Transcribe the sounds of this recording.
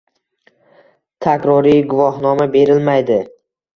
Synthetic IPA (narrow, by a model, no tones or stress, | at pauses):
t̪ʰakʲɾɒɾijɡʊvɒɦnɒmabe̞ɾɪlmajd̪ɪ